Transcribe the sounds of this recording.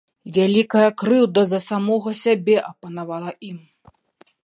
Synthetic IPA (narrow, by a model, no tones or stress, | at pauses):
vʲalʲikɐjɐkɾɨwd̪ɐzɐsamɔɣɐsʲabʲɛʔɐpɐnavalˠɐʔim